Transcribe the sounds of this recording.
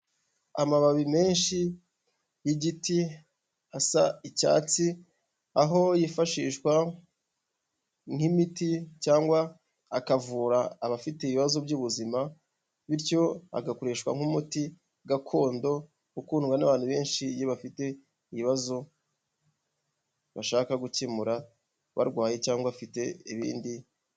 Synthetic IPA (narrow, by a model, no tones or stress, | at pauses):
a̰maβaβime̞ːnʃi | jiɟiti | asaica̰ːt͡si | aɦo̞jifaʃiːʃkwa | ŋ̥himiticaːŋɡwaː | kavuːɾaːβafiteiβiβazo̞bɟuːβuzima | βiɾco̞a̰ɡako̞ɾe̞ːʃkwa̰ŋ̥umuti | ɡakʰo̞ːndo̞ | ukuːnuŋɡanaβaːnhuβe̞ːnʃijeβafite̞ | iβiβazo̞ | βaʃaːkaɡucimuɾa | βa̰ɾɡwaːjet͡ʃaːŋɡwaafite̞iβḭːndi